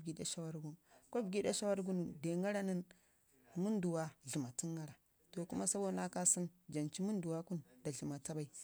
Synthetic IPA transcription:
ɡi˦da˨ʃa˦wa˦ɾɡu˦n˨ko˦bɡi˦da˦ʃa˦wa˦ɾɡu˦nu˨de˨ŋa˦ɾa˦nə˦n | mu˦n˦du˨wa˦ɮi˨ma˨ti˦ŋːa˦ɾa˨ | to˨ku˦ma˦sa˦bo˦dna˦ka˦si˦nd͡ʒa˨nt͡ʃi˦mu˦ndu˨wa˦ku˦nda˨ɮi˨ma˨ta˦ba˨i˨

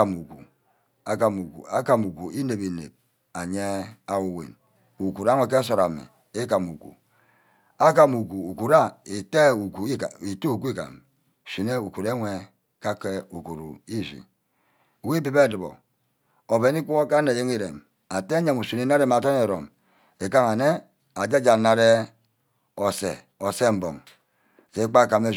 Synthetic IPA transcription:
a˨mu˨kṵ˨ | a˦ka˨mu˨kṵ˨a˦ka˨mu˨ku˨i˦ne˨bi˨nḛ˨b̚ | a˨ɲe˦a˨wu˨wḛ˨n | u˨ku˨ɾa˦ŋʷe˨k̬e˦s̬o˨ɾa˨mḭ˨ | e˦ka˨mu˨kṵ˨ | a˦ka˨mu˨ku˨u˨ku˨ɾa˦i˨te˦u˨ku˨˦˨i˨tu˦u˨kʷi˦ka̰˨m˨ | si˨ne˦u˨ku˨ɾe˦ŋʷe˨ | ka˦ke˦u˨ku˨ɾṵ˨i˦zḭ˨ | wi˦bi˨be˦˨di˨bo̰˨ | o˨be˨ni˦ku˦o˦ka˦ne˨je˦ŋi˦ɾḛ˨m | a˨te˦ɲa˦˨mu˨si˨ne˦na˦ɾe˦m˨a˨to˦ne˨ɾo̰˨m | e˨ka˦ŋa˨ne˦ | a˨d͡ʒa˦d͡ʒa˨na˨ɾe˦ | o˨sḛ˨ | o˨se˦m̩˨bo̰˨ŋ˨ | se˨i˦k͡pa˦˨ka˨me˦

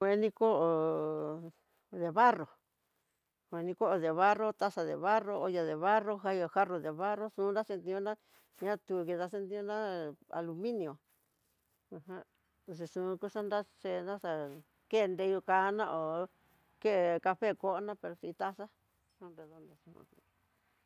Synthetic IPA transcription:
e˧˦nĩ˦ko˦ʔo˨ | ðe˨βa˦ro˨ | kʷe˨˧nĩ˧ko˦ʔo˧ðe˨βa˦ro˦t̪a˦ʂa˧ðḛ˨βa˦ro˧o˧ja˧ðe˨βa˦ro˦ɦa˧o˧xa˦ro˧ðe˨βa˦ro˦sũː˧˦nɾa˦se˧nt̪ĩ˧õ˦nã˦ | ɲã˦t̪u˧ki˧ða˧s̬e˧˦nt̪ĩ˦õ˦nã˦a̰˨lu˧mĩ˦nĩ˧˨õ˨ | ũ˧ɦã˦ | si˧ʂũ˨˧ku˦ʂa˦nɾa˦ʂe˧nã˦sa˧ | ke˦˧nd̪e˧ju˧ka˧˦nã˦ʔo˨ | ke˦˨ka˧ɸe˦ko˦ʔo˦nã˦pe˧ɾo˧si˧t̪a˦sa˦ | sũ˧re˧ðo˧nd̪o˨sũ˧ṵ̃˧

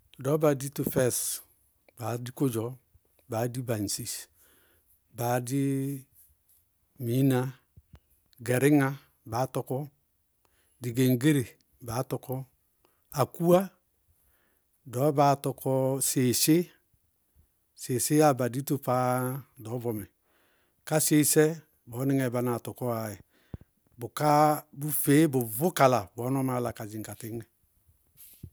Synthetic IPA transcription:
dɔ˨˦ba˨di˦tu˨fɛ˦˨s | b̥a˨di˦ko˦d͡ʒɔ˨˦ | ba˨di˦ba˨n˨si˦s | ba˨di˦ | mi˦na˦ | ɡe˨ɾɪ˦ŋa˦ | ba˨˦tɔ˨kɔ˦ | di˨ɡe˨ŋɡe˦ɾe˨ | ba˨˦tɔ˨kɔ˦ | a˨ku˦a˦ | dɔ˨˦ba˨tɔ˧kʰɔ˦se˨se˦ | se˨se˦a˦ba˨di˦to˦pa˦dɔ˨˦bɔ˨mɛ˨ | ka˦se˦sɛ˦ | bɔ˨˦nɪ˦ŋɛ˨ba˨na˨tɔ˨kɔ˦a˨i˨ | bʊ˨ka˦bu˦fe˨˦bʊ˨vʊ˦ka˨la˨bɔ˨˦nɔ˦ma˨˦la˨ka˨d͡ʒi˨ŋ̩˨ka˨tɪ˦ŋɛ˦

